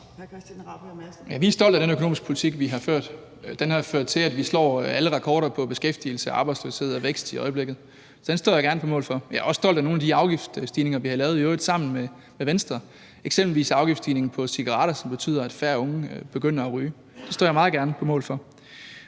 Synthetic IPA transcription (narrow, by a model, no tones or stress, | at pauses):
jæʋiæɐsd̥ɒ̽l̰dæɾ̥enøkʰoo̝̰ːmisɡ̥pʰo̝lit͡sʰiɡ̥ʋiɦɑ̈føɐ̰d̥ | d̥enhɑ̈føɐ̰d̥̚t͡sʰe̝læd̥ʋislɒ̰ːæləʁɑ̈kʰɒːɾɐpʰɒ̽b̥e̝sɡ̥efd̥il̩səʔɑ̈ːb̥ɑ̈ɪd̥sløshe̝ð̩ˠɒʋeɡ̥sd̥iɒ̽ɪəb̥leɡ̥ð̩ˠ | sɒ̽d̥ensd̥ɔ̰jɑɡæɐnəpʰɒ̽mɔ̽ːlfɒ̽jɑɒ̽sːd̥ɒ̽l̰d̥æno̝ːn̩æd̥iɑ̈ʊɡ̥ifd̥sd̥iːne̝ŋɐʋihɑ̈lɛːʊð̞̩ˠiɔːðˠsɑ̈m̰n̩me | meʋensd̥ʁɐ | eɡ̥semb̥l̩ʋḭːsɑ̈ʊɡ̥ifd̥sd̥ḭːne̝ŋn̩pʰɒ̽siɡ̥ɐʁɑ̰̈ːɾ̥ɐsɒ̽mb̥e̝t͡sʰy̰ːð̰ˠɐæd̥fæːɐɔ̽ŋb̥e̝ɡ̥øn̰ɐæʁyː | d̥e̝sd̥ɔ̰jɑmɑ̈ːð̩ˠɡ̥æɐnəpʰɒ̽mɔ̰̽ːlfɒ̽